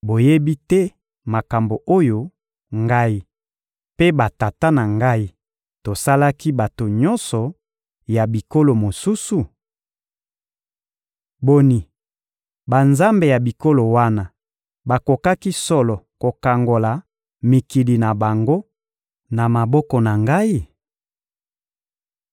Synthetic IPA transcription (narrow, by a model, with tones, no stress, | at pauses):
bo˨je˦bi˦tɛ˦ | ma˨ka˨mbo˨ʔo˦jo˦ | ŋɡa˦i˦ | pe˦ba˨ta˨ta˦na˨ŋɡa˦i˦ | to˨sa˦la˦ki˦ba˨to˨ɲɔ˦nsɔ˨ | ja˨bi˨ko˦lo˨mo˨su˦su˨ | bo˨ni˨ | ba˨nza˦mbe˨ja˨bi˨ko˦lo˨wa˦na˨ | ba˨ko˨ka˦ki˦sɔ˦lɔ˨ko˨ka˨ŋɡo˨la˨ | mi˨ki˨li˨na˨ba˨ŋɡo˦ | na˨ma˨bɔ˦kɔ˨na˨ŋɡa˦i˦